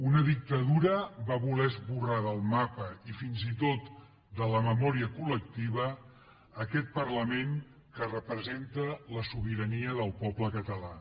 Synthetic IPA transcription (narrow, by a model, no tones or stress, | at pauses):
unəðik̚t̪əðuɾəβaβulɛzβuraðəlˠmapəifinzit̪ot̪ | d̪ələməmɔɾiəkulək̚t̪iβ̞əː | kɛt̪̚pəɾləmeŋ | kərəpɾəzent̪ələsuβ̞iɾəniəðəlˠpɔbləkət̪əla